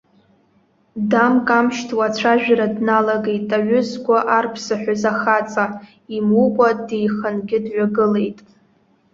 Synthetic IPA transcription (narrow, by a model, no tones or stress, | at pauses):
damkʼamʃtʰwat͡ɕʷʰaʒᶣaɾadnalaɡe̞jtʼaɥʏzɡʷaʔarpʰsaħᶣʷazaχat͡sʼa | imukʷʼadejχənɡʲɪdɥʷᶣaɡɨle̞jtʼ